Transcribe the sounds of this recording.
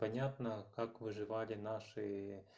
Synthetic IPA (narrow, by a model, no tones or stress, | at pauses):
pɐnʲat̪nəkakvɨʐɨvalʲɪnaʂɨ